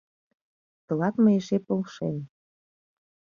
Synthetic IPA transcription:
t̪ɤ̆lɑt̪məeʃepolʃḛn

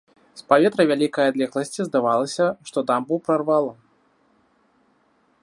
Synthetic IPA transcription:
spavʲɛt̪ɾɐvʲalʲikɐjad̪lʲɛxlˠɐsʲt͡sʲizd̪avalˠɐsʲɐʂt̪ɔd̪ambɨwpɾarvalˠɐ

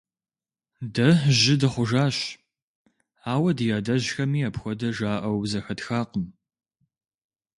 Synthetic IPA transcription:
dɐʒɪdɨχʷʊʒaːɕ | aːwɐdɨjaːdɐʑxɐmiːɐpxʷɔdɐʒaːʔɐwzɐxɐtxaːqəm

